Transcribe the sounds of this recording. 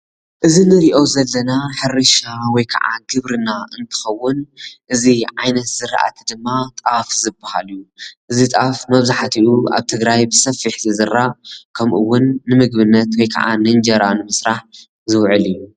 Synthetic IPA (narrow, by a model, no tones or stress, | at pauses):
ʔɨzinɨɾiʔo̞zɐlːɐnaħɨɾɨʃawɔjkʰɐ̰ʕa̰ɡɨβɾɨnaɨnt̪ʰɨ̥xɐwːʊnʔɨziʕajnɐt̪z̥ɨɾa̰ʔa̰t̪ʰid̪ɨmːat̪ʼafzɨbːaha̰lijuʔɨzit̪ʼafmɐβzaħat̪ʰiʔua̰βt̪ʰɨɡɾajbɨsɐfːiħzɨzɨɾːakʰɐmʔuwʊnːɨmɨɡbɨnːɐt̪wɔjkʰa̰ʕa̰nɨnd͡ʒɐɾanɨmɨsɾaħ | zɨwʕɨlijːu